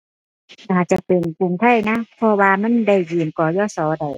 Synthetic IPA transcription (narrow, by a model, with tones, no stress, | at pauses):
a˧˩haː˨˩t̪̚t͡ɕa˧˨p̪ɯ˨˩ŋku˧˩ŋt̪ʰa˧˥˩jna˦˥pʰɔ˧˥waː˧ma˧˥˨nda˧˩jjɯː˨˩nkɔː˨˩jɔː˧˥˨sɔː˨˧˦da˧˩j